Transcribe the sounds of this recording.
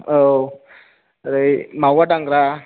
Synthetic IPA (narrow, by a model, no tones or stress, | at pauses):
o | ɾemawaʈaŋɡɾa